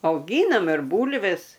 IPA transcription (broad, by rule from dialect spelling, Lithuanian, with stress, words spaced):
ɐʊˈɡʲiːnɐm ɪr ˈbuːlʲʋʲɛs